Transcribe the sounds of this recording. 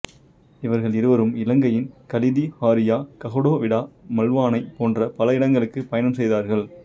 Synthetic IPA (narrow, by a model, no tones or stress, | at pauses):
ɪʋɐɾɣɐɭɪɾɯʋɐɾɯmɪlɐŋɡɐjɪnkɐlɪðihaːɾɪjaːkɐɣɔɽoːʋɪɽaːmɐlʋaːnɐɪpoːndrɐpɐlɐɪɽɐŋɡɐɭɯkːɯpɐjɐnɐmsɛjðaːɾɣɐɭ